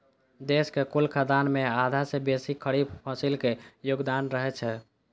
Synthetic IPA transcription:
d̪eskekulkʰad̪anmead̪ʱasebesikʰəɽib̚pʰə̃silkejoɡd̪anɾəɦɛt͡ʃʰɛ

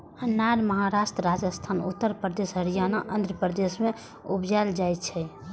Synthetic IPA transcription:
ənːaɾməɦaɾasʈɾəɾad͡ʒəst̪ʰanṵt̪ːəɾpɾəd̪esɦəɾijanaʔənd̪ʱɾəpɾəd̪esme | ubd͡ʒald͡ʒajt̪t͡ʃʰɛ

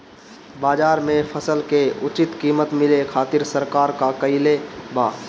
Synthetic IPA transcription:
baːd͡ʒaːɾmẽpʰəsəlkeʊt͡ʃɪt̪kiːmət̪mɪlekʰaːt̪ɪɾsəɾkaːɾkakəɪlebaː

